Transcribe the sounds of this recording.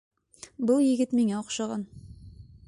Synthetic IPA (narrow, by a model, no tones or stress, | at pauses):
bɤlˠjɘ̆ɡɘt̪miŋæoqʃɑʁɑn